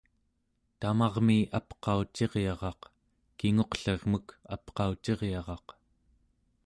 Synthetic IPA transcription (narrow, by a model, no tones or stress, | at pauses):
t̪amɑʁmiʔapqɑut͡ʃe̞ʁjɑʁɑq | kiŋo̞qɬeʁməka̰pqɑut͡ʃe̞ʁjɑʁɑq